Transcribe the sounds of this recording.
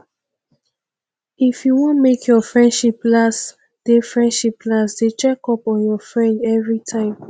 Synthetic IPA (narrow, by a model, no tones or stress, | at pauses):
ifjuwɔ̃nmekʰjɔfɹɛ̃ndʃiplas | d̥efɹɛ̃ndʃiplasdet͡ʃɛkɔpɔ̃njɔfɹɛ̃ndɛvɹitʰãɪ̃m